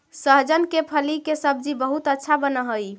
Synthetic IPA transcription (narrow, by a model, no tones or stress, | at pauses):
səɦd͡ʒənkepʰəlikesəb̚d͡ʒibəɦut̪ətːʃʰabənəɦəj